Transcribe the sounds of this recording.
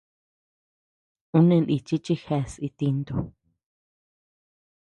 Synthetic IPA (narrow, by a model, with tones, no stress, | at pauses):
ũ˦nẽ˧nʔḭ˧t͡ʃi˦t͡ʃi˦xe˧si˧t̪i˧nd̪u˧